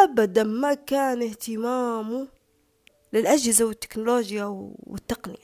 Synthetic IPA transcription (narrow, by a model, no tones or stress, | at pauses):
ʔabad̪anmakaːnɪht̪ɪmaːmu | lɪlʔad͡ʒhɪzawɪt̪ːɪ̥knʊloːd͡ʒjawɪ̰t̪ːɑqnɪ̰ja